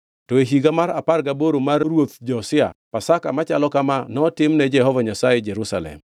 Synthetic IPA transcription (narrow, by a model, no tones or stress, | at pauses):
tɔeɦiɡamaɾaparɡaboɾomaɾɾwot̪̚d͡ʒɔsɪa̰pasakamat͡ʃalɔkamanɔtɪmnɛd͡ʒɛhɔvaɲasajed͡ʒɛɾusalɛ̰m